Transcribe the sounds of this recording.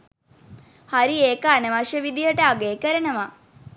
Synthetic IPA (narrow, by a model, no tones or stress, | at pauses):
haɾieːkəanəʋaʃjəʋid̪ijəʈəaɡeːkəɾənəʋa